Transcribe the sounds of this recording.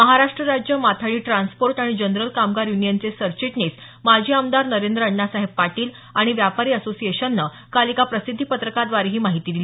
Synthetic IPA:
məɦaɾaʂʈɾəɾad͡ʑjəmat̪ʰaɭiːʈɾanspoɾʈaɽ̃id͡ʑənɾəlkamɡaɾjunijənt͡sesəɾt͡ɕiʈnes | mad͡ʑʱiːamd̪aɾnəɾend̪ɾəəɳːasaɦeb̚paʈiːl | aɽ̃iʋjapaɾiːəsosieɕənːə | kalikapɾəsid̪ʱːiːpət̪ɾəkad̪ʋaɾiɦiːmaɦit̪iːd̪ili

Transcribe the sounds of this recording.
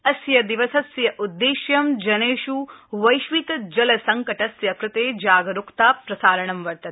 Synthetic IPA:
ɐsjɐd̪iʋɐsɐsjɐʔud̪ːeːʃjɐmd͡ʒɐneːʃuʋɐjʃʋit̪d͡ʒɐlɐsɐŋkɐʈɐsjɐkɾɪt̪eːd͡ʒaːɡɐɾukt̪aːpɾɐsaːɾɐɳɐmʋɐɾt̪ɐt̪̚

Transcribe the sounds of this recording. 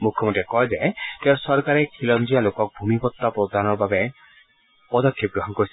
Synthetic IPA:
mukʰjɔmɔntiɛkɔjzakɛsɔɹkaɹɛkʰilɔmd͡ʒialokɔk̚bʱumipɔt̪ːapɾɔd̪anɔɹbabɛ | pɔd̪ɔkʰːip̚ɡɹɔɦɔnkoɹis

